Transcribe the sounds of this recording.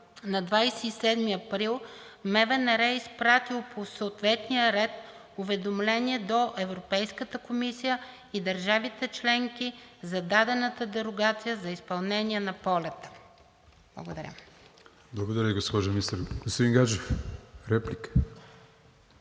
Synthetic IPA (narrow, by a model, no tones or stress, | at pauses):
nɐd̪vajsɛisɛd̪miɐpɾilˠ | mɛvɛnɛɾɛispɾat̪ilˠpʰosəot̪vɛt̪nijəɾɛt̪̚ | ʊvɛd̪omlɛniɛd̪oʔɛvɾopɛjskət̪əkomisijə | id̪ɐɾʒavit̪ɛt͡ʃlɛŋk̟izɐd̪ad̪ɛnət̪əd̪ɛɾoɡat̪sijəzɐispɐlˠnɛniɛnɐpɔlʲɛt̪ə̥ | b̥lˠɐ̰ɡod̪ɐɾʲə̰ | blˠɐɡod̪ɐɾʲəiɡospɔʒɐmist̪əɾɡ̥ospod̪iŋɡat͡ʃefɾɛplikə̥